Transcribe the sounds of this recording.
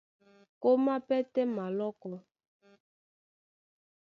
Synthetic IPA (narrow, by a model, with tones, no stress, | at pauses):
ko˦ma˦pɛ˦tɛ˦ma˨lɔ˦kɔ˦